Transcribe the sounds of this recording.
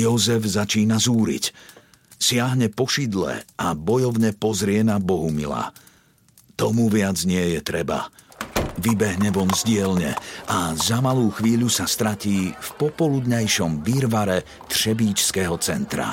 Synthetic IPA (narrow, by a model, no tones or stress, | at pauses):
jɔzɛvzat͡ʃiːnazuːɾḭc | sɪaɦɲɛpɔʃid̪lɛ̰abɔjɔʊɲɛpɔzɾɪɛnabɔɦumḭla̰ː | t̪ɔmuʋɪad͡zɲɪɛjɛt̪ɾɛba̰ | ʋibɛɦɲɛʋɔmzɟɪɛlɲɛ̰azamaluːxʋiːʎusast̪ɾaciːfpɔpɔlud̪ɲajʃɔmʋiɾʋaɾɛ | t̪ʃɛbiːt͡ʃskɛɦɔt͡sɛnt̪ɾa̰